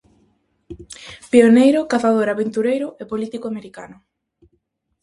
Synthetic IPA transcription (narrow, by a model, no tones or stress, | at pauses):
pionejɾʊkaθað̞oɾaβent̪uɾejɾʊʔepolit̪ikoameɾikanʊ